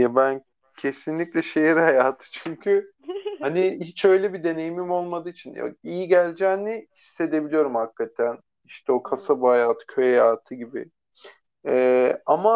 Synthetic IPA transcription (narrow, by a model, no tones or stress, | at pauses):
jabæn | cʰe̞sinlʲiclʲɛʃe̞jɛɾhajaːt̪ʰɯ̥t͡ʃʰyɲcʰy | anihit͡ʃø̞jlʲɛbid̪e̞ne̞jimimo̞lˠmad̪ɯːit͡ʃʰinjo̰ijiɟælʲd͡ʒæːnnɛhisːe̞d̪e̞bilʲijo̞ɾumhakːat̪ʰæn | iʃt̪ʰɛo̞kʰasabuhajaːt̪ʰɯ̥cʰøjajaːt̪ʰɯɟibɪ̰ | ɛama